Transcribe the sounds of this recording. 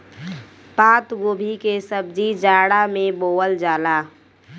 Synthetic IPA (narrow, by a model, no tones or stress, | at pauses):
paːt̪ɡoːbʱikesəb̚d͡ʒid͡ʒaːɽamẽboːwəld͡ʒaːlaː